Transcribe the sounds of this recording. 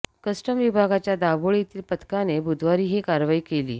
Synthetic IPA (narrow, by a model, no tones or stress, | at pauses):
kəsʈəmʋibʱaɡat͡ɕjad̪aʋoɭit̪iːlpət̪kanebʱud̪ʱʋaɾiːɦekaɾʋaiːkelḭː